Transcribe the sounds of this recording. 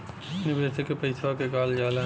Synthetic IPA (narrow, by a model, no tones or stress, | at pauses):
nibeːsekepɐɪsʋakekaːld͡ʒaːla